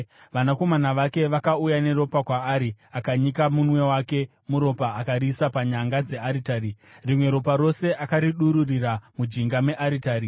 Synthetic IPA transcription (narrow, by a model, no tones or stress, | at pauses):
ʋanako̞manaʋake̞ʋakaujane̞ɾo̞pakwaːɾiakaɲikamunwe̞wake̞ | muɾo̞paːkaɾisapaɲaŋɡad͡ze̞aɾitaːɾirimwe̞ɾo̞paɾo̞se̞ʔakaɾiɗuɾuriramud͡ʒiŋɡame̞ʔaɾitaːɾi